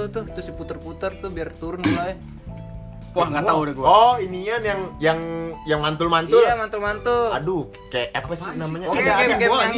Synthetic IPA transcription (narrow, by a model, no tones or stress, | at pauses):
ʊht̪ʊht̪ʊsiput̪ərput̪ərt̪ʊbiart̪uɾʊnua | waɡat̪audaɡuɔiniɲamjaŋjaŋjaŋmant̪ʊlmant̪ʊlamant̪ʊlmant̪ʊladukkajaʔapəsinamaɲakaaka